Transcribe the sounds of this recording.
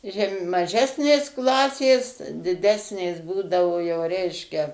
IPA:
ˈʒʲɛm mɐˈʒʲæːsʲnʲeːs ˈklˠɑːsʲeːs dʲɪˈdʲæːsʲnʲeːs ˈbuːdɐʋoː jɛʊ ˈrʲɛɪʃʲkʲɛ

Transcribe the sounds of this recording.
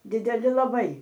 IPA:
dʲɪdʲɛˈlʲɪ lˠɐˈbɐɪ

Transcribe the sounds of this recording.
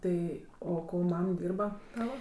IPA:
ˈtɐɪ ˈoː ˈkoː ˈmɐm ˈdʲiːrbɐ ˈtɑːʋɐ

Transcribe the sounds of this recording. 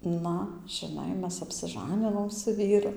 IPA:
ˈnɐ ʒʲɪˈnɐɪ ˈmʲɛs ɐpʲsʲɪˈʒɑːnʲɪnoːm sʊ ˈʋʲiːrʊ

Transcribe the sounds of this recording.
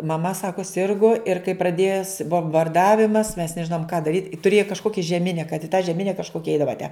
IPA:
mɐˈmɐ ˈsɑːkʊ ˈsʲɪrɡʊ ɪr kɐɪ prɐˈdʲeːs boːmbɐrˈdɑːʋʲɪmɐs mʲɛs nʲɛˈʒʲɪnoːm kɑː dɐˈrʲiːt ɪ tʊˈrʲeːjʊ kɐʃˈkoːkʲɪ ʒʲɛˈmʲɪnʲɛ kɐt ɪ tɑː ʒʲɛˈmʲɪnʲɛ kɐʃˈkoːkʲɛ ˈɛɪdɐʋɐ tʲæ

